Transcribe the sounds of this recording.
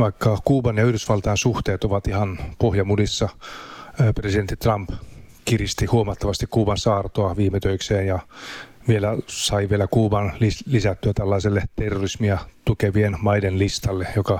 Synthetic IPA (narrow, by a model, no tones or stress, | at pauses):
ʋɑikːɑkuːbɑnjɑyhdysʋɑlt̪ɑːnsuht̪eːt̪oʋɑt̪ihɑnpohjɑmudisːɑ | president̪ːit̪rɑmpkirist̪ihuomɑt̪ːɑʋɑst̪ikkuːbɑnsɑːrt̪oɑʋiːmet̪øikseːnjɑ | ʋielæsɑiʋielækuːbɑnlilisæt̪ːyæt̪ælːɑiselːet̪erːorismiɑt̪ukeʋienmɑidenlist̪ɑlːejokɑ